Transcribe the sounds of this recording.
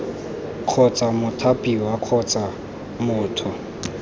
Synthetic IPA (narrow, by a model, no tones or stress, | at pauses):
q͡χʰɔt͡sʼamʊtʰapʼiwaq͡χʰɔt͡sʼa | mʊːtʰʊ